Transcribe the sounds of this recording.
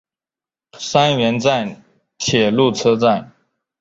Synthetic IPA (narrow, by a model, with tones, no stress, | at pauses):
sa˥nɥɛ˧˥nt͡sa˥˩n | t͡ɕʰjɛ˨˩lu˥˩t͡sʰɤ˥t͡sa˥˩n